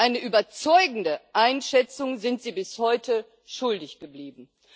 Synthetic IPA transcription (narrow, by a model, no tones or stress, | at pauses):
ʔaɪnəʔyːbɐt͡sɔʏɡŋ̩dəʔaɪnʃɛt͡sʊŋzɪntz̥iːbɪshɔʏtə | ʃʊldɪçɡ̥əbliːbm̩